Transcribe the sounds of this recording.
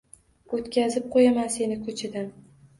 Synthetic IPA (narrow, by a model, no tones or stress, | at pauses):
ot̪kʲazɪp̚qʰojamanse̞nɪkʰɵt͡ʃʰɪd̪an